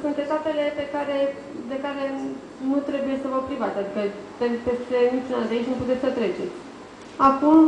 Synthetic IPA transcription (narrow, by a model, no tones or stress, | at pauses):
sunt̪e̞t̪ape̞le̞pe̞kaɾe̞ | d̪e̞kaɾe̞ | nut̪ɾe̞buje̞səvəpɾivat̪sʲad̪ikəp̪epe̞st̪e̞nit͡ʃunald̪eait͡ʃnuput̪et̪ʲsət̪ɾe̞t͡ʃe̞t̪sʲ | akum